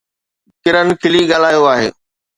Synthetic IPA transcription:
kɪɾənɪ̆kʰɪliɡaːlaːjoaːɦḛː

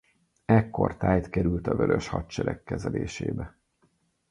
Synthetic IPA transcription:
ɛkːo̞̰rt̪aːjt̪kɛɾylt̪ɒvøɾøʃhɒtt͡ʃɛɾɛkːɛzɛleːʃḛːbɛ

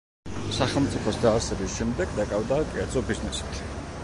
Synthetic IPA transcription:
saχɛlˠmt̪sʼipʰɔsd̪aːɾsɛbisʃɛmd̪ɛɡd̪akʼavd̪akʼɛɾd̪zɔbiznɛsi̥t̪ʰ

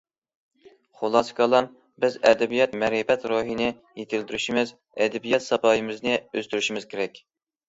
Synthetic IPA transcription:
χolˠɑskʰɑlˠɑn | bɪzɛ̰d̪ɛbijɑt̪mɛɾipɛt̪ɾoɦinɪ | jet̪ʰɪld̪yɾyʃimɪz | ɛd̪ɛbijɛt̪sɑpʰɑːjɨmɪznɪøzt̪yɾyʃimɪz̥kʲʰeɾɛkʲ

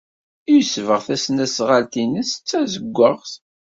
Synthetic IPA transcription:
jusvəʁθæsnæsʁalt̪inəst͡sːæzəɡʷːəʁθ

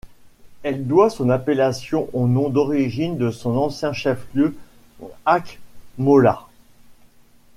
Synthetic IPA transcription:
ɛld̪wasɔ̃napelasjɔ̃ʔonɔ̃d̪ɔʁiʒind̪əsɔ̃nɑ̃sjɛ̃ʃɛfljø | akmɔla

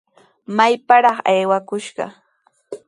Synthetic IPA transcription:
majpaɾɑχajwakʊʃɢɑ̰

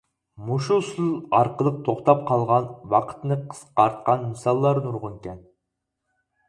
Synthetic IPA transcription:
muʃusɨlˠɑɾqəlˠəq̚t̪ʰoχt̪ɑp̚qʰɑlˠʁɑnwɑqʰə̥t̪nɨqʰə̥sqɑɾt̪̚qɑnmɨsɑlˠːɑɾnuɾʁʊnkʲɛn

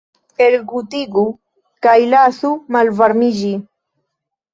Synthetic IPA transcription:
elɡutiɡu | kajlasumalvaɾmid͡ʒi

